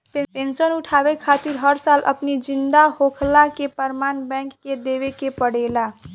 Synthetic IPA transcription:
pepẽːnʃənʊʈʰaːʋekʰaːt̪ɪɾɦəɾsaːlʔə̰pnid͡ʒɪ̃nd̪ahoːkʰlakepəɾmaːnbɛ̃ːŋkːed̪eːʋekepəɽeːla

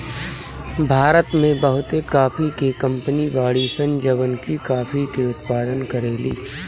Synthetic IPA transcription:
bʱaːɾət̪mẽbɐɦʊt̪ekaːfʰikekɐ̃mpəniʋaːɭisɐ̃nd͡ʒəʋənkikaːfʰikeʊt̪paːd̪ənkɐɾeːlḭː

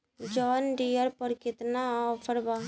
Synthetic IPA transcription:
d͡ʒɔːnɖijəɾpəɾkɪt̪naaːpʰəɾba

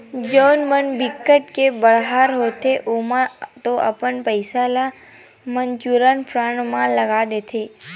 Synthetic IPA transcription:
d͡ʒonmənbikːəʈkebəɭɦaɾɦot̪ʰeʔumãt̪oʔa̰pəɳpəjsala | mənd͡ʒuɾanpʰɾaɳmãləɡad̪et̪ʰe

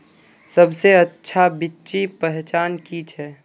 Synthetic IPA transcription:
səbseɐtːʃʰabɪtːʃipɛɦt͡ʃaːnkit͡ʃʰɛː

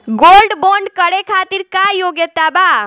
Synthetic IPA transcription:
ɡolɖboɳɖkəɽekʰat̪iɾkajoɡjət̪aba

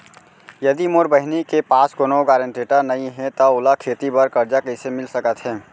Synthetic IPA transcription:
jɐd̪imoːɾbəɦɪnikepaːskonoɡaːɾə̃ɳʈeːʈəɾnɐɦĩɦɛt̪aʊlakʰeːt̪ibəɾkɐɾd͡ʒakɐɪsemɪlsɐkət̪ɦɛː

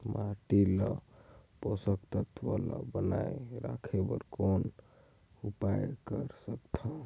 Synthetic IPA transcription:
maʈiləposəkt̪ət̪ʰʋalə̰bənajɾa̰kʰebə̰ɾkon | upajkəɾsəkt̪ʰə

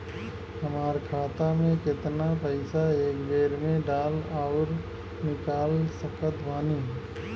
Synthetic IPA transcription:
ɦəmaːɾkʰaːt̪amẽkɪt̪napəɪsaeːkbeːɾmẽɖaːlɔʊɾ | nɪkaːlsəkət̪ʋaːniɦ

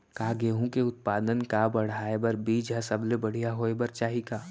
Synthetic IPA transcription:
kaːɡeːɦũkeʊt̪̚paːd̪ənkabɐɽ̤aːebəɾbiːd͡ʒɦəsəblebɐɽ̤ijaɦoːebɐɾt͡ʃaːɦikaː

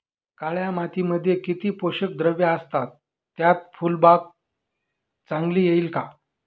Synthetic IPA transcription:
kaɭjamat̪iməd̪ʱːjekit̪iːpoɕək̚d̪ɾəʋjaəst̪at̪ː | jat̪̚fulbak̚ | t͡saŋɡliːjeiːlka

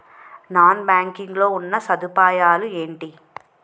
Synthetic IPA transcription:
naːnbaːŋkiŋɡlo̞ːunːɐsɐd̪upaːjaːlueːɳʈi

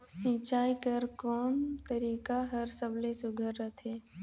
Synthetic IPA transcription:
sĩːt͡ʃaːikəɾkɔːmt̪əɾiːkaɦəɾsəblesʊɡʱəɾːət̪ʰeː

